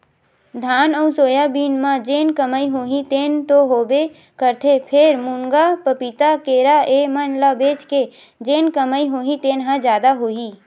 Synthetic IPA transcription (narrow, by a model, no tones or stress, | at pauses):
d̪ʱaːnəʊsoːjabiːnmãd͡ʒeːnkəməiɦoːɦĩt̪eːnt̪oɦoːbe | kəɾt̪ʰepʰɪɾmʊŋɡapəpit̪akeːɾaemənlabeːt͡ʃke | d͡ʒeːnkəməiɦoːɦĩt̪eːnɦãd͡ʒjaːd̪aɦoːiː